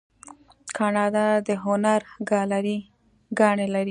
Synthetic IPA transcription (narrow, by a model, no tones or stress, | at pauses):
kʰɑnɑd̪ɑd̪əɦʊnaɾɡɑlaɾi | ɡɑɳelaɾi